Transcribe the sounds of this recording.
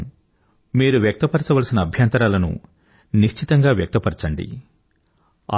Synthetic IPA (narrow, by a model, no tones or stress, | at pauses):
miːɾuʋjɐk̚t̪ɐpɐɾt͡ʃɐʋɐlɐsinɐːbʱjɐnt̪ɐɾaːlɐnṵ | niʂt͡ʃʰit̪ɐŋɡaːʋjɐk̚t̪ɐpɐɾt͡ʃɐɳɖḭ